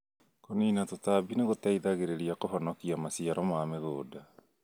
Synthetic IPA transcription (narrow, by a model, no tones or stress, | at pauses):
koniːnatotabineɣotaiðaɣeɾeɾiakofɔnɔkiamasiaɾɔmameɣoːda